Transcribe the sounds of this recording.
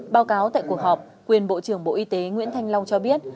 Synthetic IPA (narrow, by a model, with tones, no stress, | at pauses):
ɓaː˨˧˦wkaː˨˦wt̪a̰ː˧˨ku˨˩ək̚hɔ˨˩p̚ | kwi˨˩ənɓo̰˧˨t͡ɕɨ˧˩əŋɓo̰˧˨ʔi˧t̪e˨˦ŋwḭ˧˥ənt̪ʰa˧jŋ̟la˧wŋ͡mt͡ɕɔ˧ɓi˦˥ət̚